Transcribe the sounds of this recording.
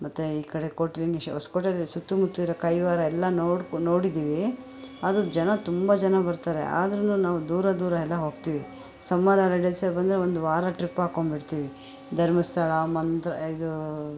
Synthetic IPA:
mɐt̪ːuiːkɐɽe̞koːʈiliŋɡiɦoskoʈɐlːisut̪ːumut̪ːuiɾɐkɐjʋaːɾɐɛlːɐnoːɽno̞ːɽid̪iːʋi | ɐd̪ud͡ʒɐnɐt̪umbɐd͡ʒɐnɐbɐɾt̪aːɾe̞̰ʔa̰ːd̪ɐɾɐnuːnaːʋud̪uːɾɐd̪uːɾɐɛlːɐɦo̞ːɡ̚t̪iːʋi | sɐmːaɾɐlɐɖesɐbɐnd̪ɾeond̪uʋaːɾɐʈɾipaːkoɳbiʈt̪iːʋi | d̪ʱɐɾmist̪ʰɐɭɐmɐnt̪ɾɐ̰id̪u

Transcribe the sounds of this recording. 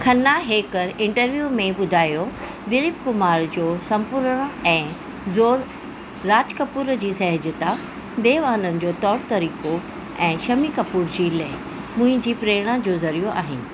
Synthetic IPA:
kʰɐnːaɦeːkəɾɪ̃ɳʈəɾʋjuːmẽɓʊd̪ʱaːjo | d̪ɪlɪp̚kʊmaːɾd͡ʑoːsɐ̃mpʊɾɽ̃ɛ̃ː | zoːɾː | aːd͡ʑkɐpuːɾd͡ʑiːsɐɦɪd͡ʑɪt̪a | d̪eːʋaːɦənənɪ̆d͡ʑoːt̪ɔːɽt̪ɐɾiːko | ɛ̃ːʃɐmikɐpuːɾd͡ʑiːlɐɦ | mʊ̃ɦɪ̃ɲd͡ʑiːpɾeːɽ̃ad͡ʑoːzɐɾijoʔa̰ːɦɪnɪ̆

